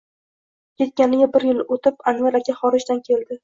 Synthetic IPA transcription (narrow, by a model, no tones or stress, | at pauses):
kʲʰe̞t̪̚kʲanɪɡʲabɪɾjɪlot̪ɪpanvaɾakʲʰaχɒɾɪd͡ʒd̪ankʲʰe̞ld̪ɪ